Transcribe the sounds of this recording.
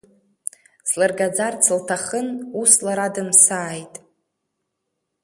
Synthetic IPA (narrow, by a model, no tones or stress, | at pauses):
zlarɡad͡zart͡sʰɨltʰaχənuslaɾadɨmsaːjtʼ